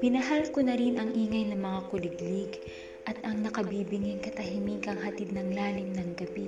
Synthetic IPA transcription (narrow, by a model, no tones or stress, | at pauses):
pɪnɐɦalkonɐɾinʔɐŋʔiːŋɐjnɐmɐŋakʊlɪɡlɪɡ | ʔɐt̪ʔɐŋnɐkɐbiːbɪŋɪŋkɐt̪ɐɦimikɐŋɦɐt̪id̪̚nɐŋlaːlɪmnɐŋɡɐbi